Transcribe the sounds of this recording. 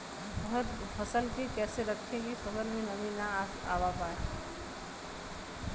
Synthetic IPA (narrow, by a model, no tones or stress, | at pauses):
bɐɦʊtfʰɐsəlk̪ikɛːseɾɐkʰeɡixɐbəɾmẽnɐmĩna | a̰ːʋapaːe